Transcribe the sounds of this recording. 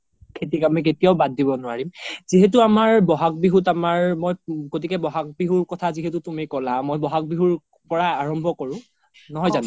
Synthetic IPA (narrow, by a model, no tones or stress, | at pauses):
ket̬ikamik̬etijaʊbadːibɔnʊwaɹimz̥iɦɛt̬uamaɹbɔɦak̚biɦutamaɹmojɡotʰikɛbɔɦak̚biɦuɹkɔtʰaziɦetutumikɔlamojbɔɦak̚biɦuɹ | pɔɹaaɹɔmbʱɔkɔɹʊ̃ | nɔɦɔjzanʊ